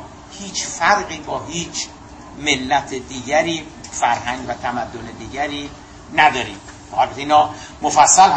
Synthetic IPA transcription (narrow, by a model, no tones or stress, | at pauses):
hiːt͡ʃʰfæɾɢiːbɒːɦiːt͡ʃʰ | melːæt̪ʰed̪iːɡæɾiːfæɾɦæŋɡvæt̪ʰæmæd̪ːoned̪iːɟæɾiː | næd̪ɒːɾiːm | hɒːlbt̪eiːnɒː | mofæsːælh